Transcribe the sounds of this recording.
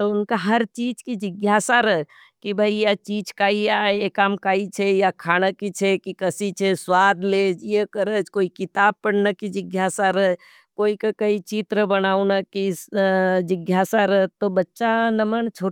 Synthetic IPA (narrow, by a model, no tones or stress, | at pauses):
t̪oʊnkaɦɐɾt͡ʃiːd͡ʒkid͡ʒɪɡjaːsaɾə | kibʱaijat͡ʃiːd͡ʒkaːiaːeekaːmkaːit͡ʃʰejakʰaːñəkit͡ʃʰekikəsit͡ʃʰeswaːd̪leːd͡ʒjekəɾət͡ʃkoːikɪt̪aːb̚pəɽnakid͡ʒɪɡjaːsaɾə | koːikakɐit͡ʃit̪ɾəbənaːunaki | d͡ʒɪɡjaːsaɾəɦt̪obɐtːʃanɐmənt͡ʃʰo